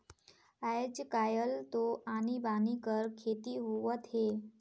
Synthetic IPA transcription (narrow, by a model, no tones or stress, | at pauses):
ajəd͡ʑəkajəlt̪oʔañibanikəɾkʰet̪iɦoʋət̪ɦe